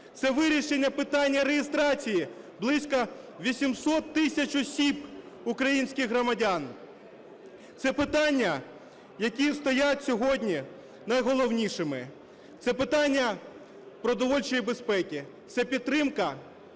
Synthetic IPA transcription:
t̪sɛʋɪɾʲiʃenʲːɐpɪt̪ɑnʲːɐɾejɪst̪ɾɑt͡sʲiji | blˠɪsʲkɐʋʲisʲimsɔt̪ːɪsʲɐt͡ʃɔsʲib | ukɾɐjinʲsʲkʲɪxɦɾɔmɐdʲan | t̪sɛpɪt̪ɑnʲːɐ | jɐkʲist̪ɔjatʲsʲɔɦɔdʲnʲi | nɐjɦɔlˠɔwnʲiʃɪmɪ | t̪sɛpɪt̪ɑnʲːɐ | pɾɔd̪ɔʋɔlʲt͡ʃɔjibe̞spɛkʲi | t̪sɛpʲid̪t̪ːɾɪmkɐ

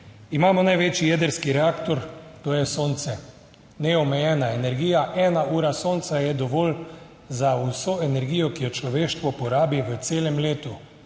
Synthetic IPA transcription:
imaːmɔnajʋeːt͡ʃijɛd̪əɾskiɾɛaːkt̪ɔɾt̪oːjɛsoːnt̪sɛ | nɛɔmɛjɛːnaenɛɾɡiːjaʔɛːnaʔuːɾasoːnt̪sajɛd̪ɔʋoːln | zausoɛnɛɾɡiːjɔkijɔt͡ʃlɔʋeːʃt̪ʋɔpɔɾaːbiʋət̪seːlɛmleːt̪u

